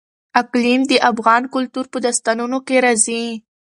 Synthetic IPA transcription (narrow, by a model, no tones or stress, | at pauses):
aklimd̪əʔafɣɑnkʊlt̪uɾpəd̪ast̪anunokeɾazi